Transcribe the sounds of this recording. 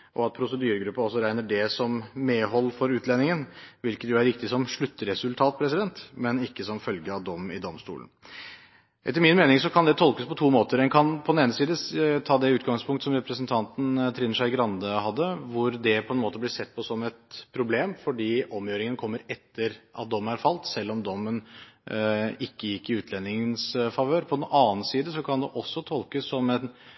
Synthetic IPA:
ʔɔɑt̪̚pʰɾʊsəd̪yːɾəɡɾʉpːɑɔsːɔɾæɪnəɖɛsɔmmeɦɔlːəfɔɾʉːt̪ʰlɛnːɪŋənʋɪlkət̪jʊæɾʋɪkt̪ɪsɔmʂɭʉt̪ːəɾɛsʉlt̪ʰɑːt̪̚pʰɾɛs̬ɪd̪ɛnt̪mɛnɪkːəsɔmfœlɡəɑʋd̪ɔmːɪ̰d̪ɔmst̪ṵːlən̩ | ʔɛt̪ːəɾmɪnmeːnɪŋsɔkʰɑnd̪ɛt̪ʰɔlkəspʰɔt̪ʰuːmoːt̪əɾɛnkʰɑnpʰɔd̪neːnəsiːd̪ət̪ʰɑːd̪ɛʉːt̪ɡɑŋspʰʊŋkt̪əsɔmɾɛpɾəsənt̪ʰɑnt̪n̩t̪ʰɾɪnəʂæɪɡɾɑnd̪əhɑd̪ːəʋʊɾd̪ɛpʰɔɛnmoːt̪əblɪsɛt̪̚ːpʰɔsɔmɛt̪pʰɾʊbleːmfɔɖiːʔɔmjøːɾɪŋənkʰɔmːəɾɛt̪ːəɾʔɑ̰t̪̚d̪ɔmːənæɾfɑlt̪sɛlːɔmd̪ɔmːən | ɪkːəjɪkːɪʉːt̪ʰlɛnːɪŋənsfɑʋøːɾpʰɔd̪ɛnɑːn̩siːd̪əsɔkʰɑnd̪ɛʔɔsːɔt̪ʰɔlkəsːɔmɛn

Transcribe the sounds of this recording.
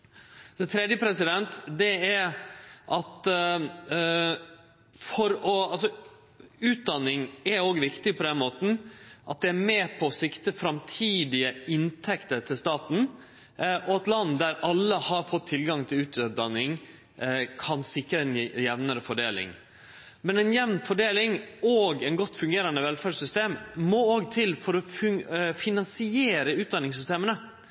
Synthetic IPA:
sɛt̪ʰɾɛːd̪jəpʰɾɛsɪd̪ɛnt̪d̪ɛæɾʔɑt̪ | fɔɾɔɑls̬ɔ | ʉːt̪̚d̪ɑnːɪŋɛɾoːɡʋɪkt̪ɪpʰɔd̪ɛnmoːt̪n̩ʔɑt̪̚d̪ɛæɾmeːpʰɔːsɪkt̪əfɾɑmt̪ʰiːd̪ɪəɪnt̪ʰɛkt̪əɾt̪ʰɪlst̪ɑːt̪n̩ | ɔɛt̪lɑnːd̪æɾɑlːəhɑɾfɔt̪ʰːɪlɡɑŋt̪ʰɪlʉːt̪d̪ɑnːɪŋ | kʰɑnsɪkːɾəɛnjɛʋnəɾəfɔɖeːlɪ̰ŋ | mɛnɛɪnjɛʋnfɔɖeːlɪŋoːɡɛnɡɔt̪ːfʉŋɡeːɾɑnd̪əʋɛlfæɖʂsʏst̪eːmmɔoːɡt̪ʰɪlfɔɾɔffɪnɑnsɪeːɾəʉːt̪̚d̪ɑnːɪŋsʏst̪eːmənə

